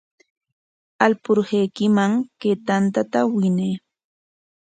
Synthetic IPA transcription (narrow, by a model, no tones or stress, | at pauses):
alpʊɾhejkɪmaŋkeːt̪ant̪at̪awɪneː